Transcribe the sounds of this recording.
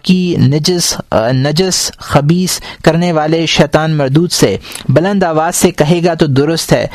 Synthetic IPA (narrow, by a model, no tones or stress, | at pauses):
kind͡ʒsnɐd͡ʒəsxɐbiːskɐɾneʋaːleʃɛːt̪aːnmɐɾd̪uːd̪sebɐlə̃nd̪aːʋaːzsekɐɦeːɡat̪od̪ʊɾʊst̪ɦɛ̰ː